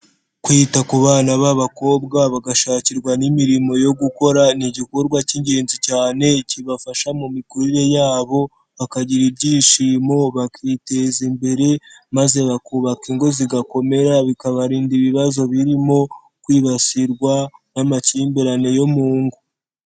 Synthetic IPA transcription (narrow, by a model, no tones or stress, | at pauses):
kwiːtakuβaːnaβaβako̞ːbɡaβaɡaʃaːciɾɡwanimiɾimo̞jo̞ɡuko̞ɾaniɟikoɾɡwaciɲɟe̞ːnzicaːne̞ciβafaʃamumikuɾiɾe̞jaːβo̞ | βakaɟiɾibɟiːʃimo̞βakʰiːte̞zimbe̞ɾe̞maze̞βakuβakiŋɡo̞ziɡako̞me̞ɾaβikaβaɾiːndiβiβazo̞βiɾimo̞ | kwiːβasiɾɡwanamaciːmbeɾanejo̞muːŋɡu